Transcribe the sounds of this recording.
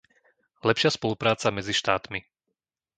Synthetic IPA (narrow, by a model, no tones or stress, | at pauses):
lɛpʃɪaspɔlupɾaːt͡samɛd͡ziʃt̪aːt̪mi